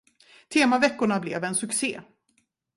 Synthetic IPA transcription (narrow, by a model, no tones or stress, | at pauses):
t̪ʰeːmavɛkːʊɳablɛ̰vɛnsɵksḛː